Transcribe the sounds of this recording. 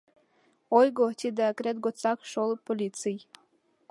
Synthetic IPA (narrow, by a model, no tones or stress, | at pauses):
ojɡot̪ʲid̪ekɾet̪̚ɡot͡sɑkʃolpolʲit̪t͡sɨj